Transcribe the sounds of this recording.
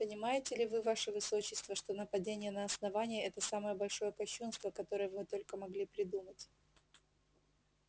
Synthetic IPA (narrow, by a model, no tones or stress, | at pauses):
pənʲɪmajɪtʲɪlʲɪvɨvaʂəvɨso̞t͡ɕːɪst̪vəʂt̪o̞nəpɐdʲenʲɪjənɐɐsnɐvanʲɪjəɛt̪əsaməjəbɐlʲʂo̞jəkɐɕːunst̪vəkɐt̪o̞ɾəjəvɨt̪o̞lʲkəmɐɡlʲipɾʲɪd̪umətʲ